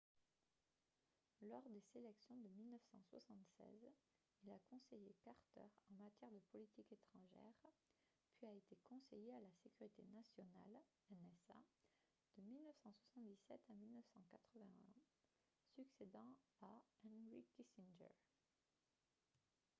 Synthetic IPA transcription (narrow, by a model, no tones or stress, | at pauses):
lɔʁd̪ezelɛksjɔ̃d̪əmilnəfsɑ̃swasɑ̃t̪sɛ̰z | ilakɔ̃sejekaʁt̪œ̰ʁɑ̃mat̪jɛʁd̪əpɔlit̪iket̪χɑ̃ʒɛ̰ʁ | pɥiaet̪ekɔ̃sejealasekʲyʁit̪enasjɔna̰l | ɛnɛsa̰ | d̪̥əmilnəfsɑ̃swasɑ̃t̪d̪isɛt̪amilnəfsɑ̃kat̪χəvɛ̃ɛ̃ | syksed̪ɑ̃aɛ̃nʁikisinʒɛ̰ʁ